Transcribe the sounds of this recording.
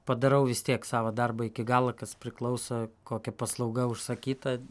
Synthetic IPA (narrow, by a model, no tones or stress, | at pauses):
pɐd̪ɐɾɐʊʋʲɪst̪ʲiɛksɑːʋɐd̪ɐrbɐɪkʲɪɡɑːlˠɐkɐspʲɾʲɪklˠɐʊsokoːkʲɛpɐslˠɐʊɡɐʊʃsɐkʲiːt̪ɐ